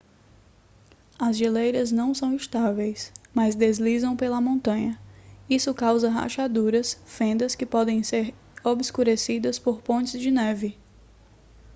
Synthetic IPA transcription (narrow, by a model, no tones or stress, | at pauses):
ɐzʒilejɾɐznɐ̃w̃sɐ̃w̃ɪst̪avejsmɐzd̪ezlizɐ̃w̃pelɐmõnt̪ɐ̃ɲɐisʊkawzɐɦa̰ʃad̪uɾɐsfẽnd̪ɐskɪpɔd̪ẽj̃seɾ | obɪskuɾesid̪ɐspoɾpõnt͡ʃɪzd͡ʒɪnɛvɪ